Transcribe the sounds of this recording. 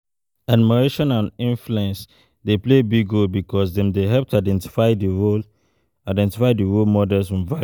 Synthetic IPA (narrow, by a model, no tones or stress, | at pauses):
admiɹeʃɔ̃nãnĩnfluɛ̃ns | deplebiɡolbikɔsdɛ̃mdeɦɛlp̚tʰaɪdɛ̃nti̥faɪdiɹol | aɪdɛ̃ntifaɪdiɹolmɔdɛlsfɹɔ̃mva